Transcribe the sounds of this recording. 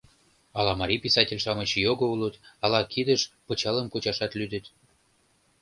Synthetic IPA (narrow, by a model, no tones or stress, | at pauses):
ɑlɑmɑɾʲipisɑtʲelʲʃɑmət͡ɕjoɣoulət̪ɑlɑkʰid̪ə̆ʃpɤ̆t͡ɕɑlə̆mkot͡ɕɑʃɑt̪lyd̪ə̆t̪